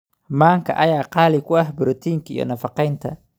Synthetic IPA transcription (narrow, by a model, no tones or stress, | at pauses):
maːŋkʰɐ̰ʔɐjaːqɑːlɪkʰʊɐhbʊɾɔt̪ʰiːŋkʰɐḭjɔ̰nɐfɑqɛjnt̪ʰɐ